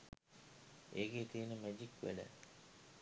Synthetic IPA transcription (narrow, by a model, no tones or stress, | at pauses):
eːɡet̪iːnəmæd͡ʒikːʋḛlə̰